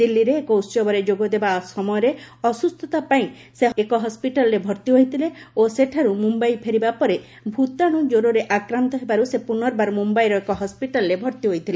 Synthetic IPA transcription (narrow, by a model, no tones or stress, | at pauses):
d̪ilːiɾeːkɔut̪sɔbɔɾed͡ʒoɡɔd̪ebasɔmɔjɔɾeɔsust̪ʰɔt̪apaĩ | seekɔɦɔspiʈalɔɾebʱɔɾt̪iɦoɦjt̪ʰileoseʈʰaɾumumbajpʰeɾibapɔɾe | bʱut̪aɽ̃ud͡ʒoɾɔɾeʔakɾant̪ɔɦebaɾusepunɔɾbaɾmumbajɾɔekɔɦɔspiʈalɔɾebʱɔɾt̪iɦoɦit̪ʰile